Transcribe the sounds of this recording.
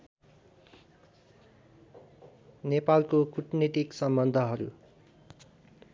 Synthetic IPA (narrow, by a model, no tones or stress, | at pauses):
nepalkokuʈnit̪iksʌmbʌnd̪ʱʌɦʌɾṵ